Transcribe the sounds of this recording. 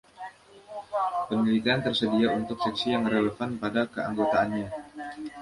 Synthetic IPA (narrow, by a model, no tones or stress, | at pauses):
pənilit̪iant̪ərsədiaunt̪ʊk̚sɛksijaŋreləfanpadakəa̰ŋɡot̪aːnɲa